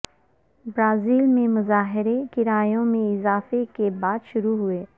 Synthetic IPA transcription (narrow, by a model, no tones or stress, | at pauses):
bɾaːziːlmẽmʊzaːɦɪɾekɪɾaːjõmẽɪzaːfekebaːd̪ʃʊɾuɦʊeː